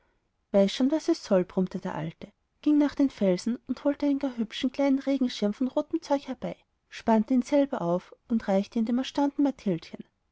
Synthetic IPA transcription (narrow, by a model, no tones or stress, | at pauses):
v̥aɪsʃoːnvasɛsːɔlbʁʊmtəd̥eːɐʔa̰ltə | ɡ̥ɪŋnaːχd̥eːnfɛlzn̩ʊnthoːltəaɪnənɡaɦʏpʃn̩kl̥aɪnənʁeːɡŋ̩ʃɪɐmfɔnʁoːtəm̩t͡sɔʏçhɛɐb̥aɪ | ʃpantəiːnz̥ɛlbɐʔaʊfʊntʁaɪçtəɪndeːmɛɐʃtaʊntn̩matʰɪlçən